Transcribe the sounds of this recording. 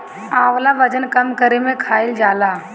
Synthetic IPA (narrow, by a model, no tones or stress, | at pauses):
aːʋlaʋɐd͡ʒənkɐmkəɾemẽkʰaːɪld͡ʒaːlaː